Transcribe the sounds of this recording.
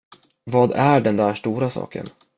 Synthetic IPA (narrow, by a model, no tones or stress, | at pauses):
vɑːd̪æɖɛnd̪æʂʈuːɾasɑ̰ːkə̰n